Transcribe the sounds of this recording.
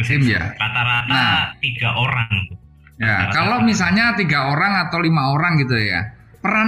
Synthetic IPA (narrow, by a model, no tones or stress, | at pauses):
sɪmja̰ɾat̪aɾat̪nat̪iɡaʔoɾaŋt̪u | ja̰kalomis̬alɲat̪iɡaoɾaŋat̪awlimaoɾaŋɡit̪uja̰ | pəɾa